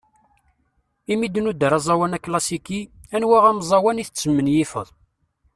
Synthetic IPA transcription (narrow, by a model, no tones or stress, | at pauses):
imid̪nud̪əɾɑzˤɑwænæklɑsikiænwæʁæmzˤɑwæniθət͡sːəmːənjifə̰ðˤ